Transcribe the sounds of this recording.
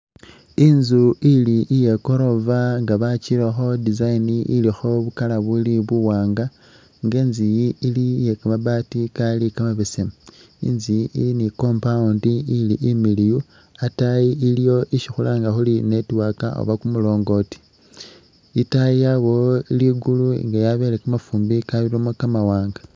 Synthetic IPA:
inzuiliʔije̞ko̞ɾo̞vaŋɡaβacilaxo̞dizainiʔḭlixo̞βukalaβuliβuwaːŋɡa | ŋɡe̞ːnzijiilijekamaβatikalikamaβisem | ḭnziiliniko̞ːmpaundiiliʔimiliju | atajiilijo̞ʔiʃixulaːŋɡaxuline̞tiwaka̰o̰βakumulo̞ːŋɡo̞ti̥ | itajijaβo̞iliɡuluḭŋɡajaβe̞lekamafuːmbikaβiɾomokamawaːŋɡḁ

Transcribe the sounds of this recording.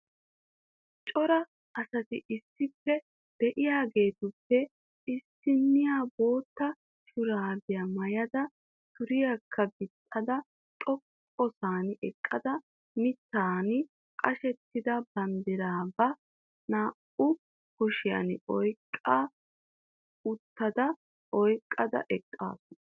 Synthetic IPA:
t͡ʃʼɔɾɐ | ʔɐsɐt̪ɪʔɪsːɪpːɛ | d̪̥ɛʔɪjaːɡe̞ːt̪ʊpːɛ | ɪsːɪnːɪjaːbo̞ːt̪ːɐ | ʃʊɾaːbɪjɐmɐjɐd̪ɐ | sʊɾɪjakʰːɐbɪt̪ʼːɐd̪ɐ | t̪ʼɔkʼːɔsaːnɪɛkʼːɐd̪ɐ | mɪt̪ːaːn | kʼɐʃɛt̪ːɪd̪ɐbɐnd̪ɪɾaːbɐ | naː | ʊ | kɔʃɪjɐ̰nɪɔjkʼːa | ʊt̪ːɐd̪ɐ | ʔɔjkʼːɐd̪ɐ̰ʔɛkʼːa̰ːsɔn

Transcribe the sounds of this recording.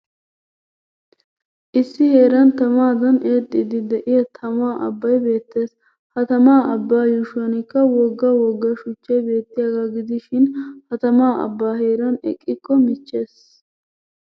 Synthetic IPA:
ʔɪsːɪhe̞ːɾɐnt̪ɐmaːd̪ɐneːd̪ʼːɪd̪ɪd̪ɛʔɪjɐt̪ʰɐmaːʔɐ̰bːɐjbe̞ːt̪ːe̞ːs | hɐt̪ɐmaːʔɐbːaːjʊʃʊɐnɪkːɐwɔɡːɐwɔɡːɐʃʊt͡ʃːɛjbe̞ːt̪ːɪjɐɡɐɡɪd̪ɪʃɪnhɐt̪ɐmaːʔɐ̰bːaːɦe̞ːɾɐnɛ̰kʼːɪkːɔmɪt͡ʃːe̞ːs

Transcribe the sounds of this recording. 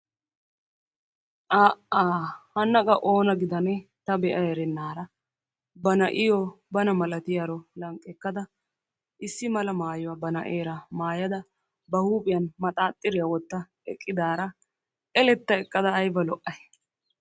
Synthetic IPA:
ʔaːʔaːhɐnːɐkʼɐʔo̞ːnɐɡɪd̪ɐnɛt̪ɐbɛʔɐɛɾɛnːaːɾɐ | bɐnɐʔɪjɔ | bɐnɐmɐlɐt̪ɪjɐɾɔlɐŋkʼːɛkːɐd̪ɐ | ʔɪsːɪmɐlɐmaːjʊwaːbɐnɐ̰ʔeːɾɐmaːjɐd̪ɐ | bɐhuːpʼɪjɐnmɐt̪ʼaːt̪ʼːɪɾɪjɐwɔt̪ːɐ | ɛ̰kʼːɪd̪aːɾɐ | ʔɛlɛt̪ːɐɛkʼːɐd̪ɐːjbɐlɔʔːɐj

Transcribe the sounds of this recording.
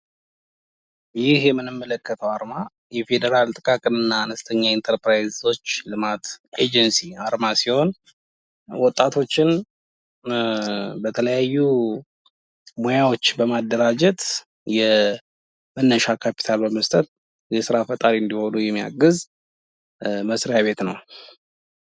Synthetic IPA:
jɪhjɛmːɨnɨmːələkːət̪ʰəwaɾma | jɛfe̞d̪əɾalt̪ʼɨkʼakʼɨnɨnːaːnəst̪ʰəɲːaint̪ʰəɾpɾajzo̞t͡ʃːlɨmat̪ed͡ʒɛnsiaɾmasiho̞n | wɔt̪ʼːat̪ʰo̞t͡ʃːɪn | bət̪ʰələjajːu | mo̞jawo̞t͡ʃːbəmad̪ːəɾad͡ʒɛt̪ | jɛ | mənːəʃakʰapʰi̥t̪ʰalbəməst̪ʼət̪̚ | jɛsɨɾafət̪ʼaɾɨnd̪iho̞nujɛmːija̰ɡɨz | məsɾjaβe̞t̪nəw

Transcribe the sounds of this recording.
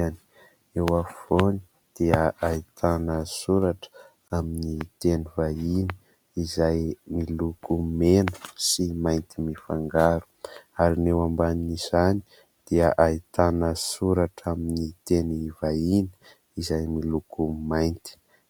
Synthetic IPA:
ani̥ | ewafoni̥ | d̪̥iəʔait̪ʰanəsuɾaʈ͡ʂ | aminit̪enivaini̥ | izajmilukumenu̥simajnt̪imifaŋɡaɾu̥aɾinewambaninizani̥ | d̪̥iəʔait̪anəsuɾaʈ͡ʂaminit̪enivainə̥ | izajmilukumajnt̪i̥

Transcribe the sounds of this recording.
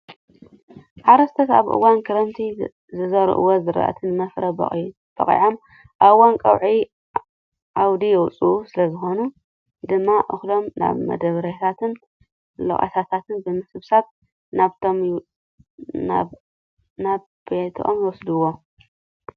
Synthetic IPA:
ʕaɾɐst̪ʰɐt̪a̰βʔɨ̰wankʰɐɾɐmt̪ʰi | zɨzɐɾ̰ʔɨ̰wozɨɾɐ̰ʔt̪ʰɨnɨmɐfɾɐbɐ̰ | b̥ɐ̰χʼḭʕom | ʔaβwankʼɐ̰wʕi | ʕawd̪ijɛwt͡sʼusɨlɐzɨxo̞nu | d̪ɨmːaʔɨxlo̞mna̰βmɐ̰d̪ɐβɾɐt̪ʰat̪ʰɨn | lo̰ʔʼa̰t̪ʰat̪ʰat̪ʰɨnbɨmɨsɨβsat̪̚ | naβt̪ʰom | n | naβ | bet̪ʰʔo̰mjɨwɔsd̪uwːo

